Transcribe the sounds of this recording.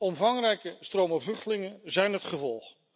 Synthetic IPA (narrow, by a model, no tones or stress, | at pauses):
ɔmvɑŋrɛjkəstrowməvlɵχtəlɪŋənzɛjnɦətχəvɔlˠχ